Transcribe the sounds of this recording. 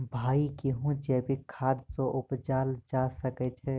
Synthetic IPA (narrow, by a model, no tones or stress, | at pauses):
bʱaːikiɦũd͡ʒɛːbʱikʰaːd̪soʔʊpd͡ʒaːld͡ʒaːsəkɛt͡ʃʰɛ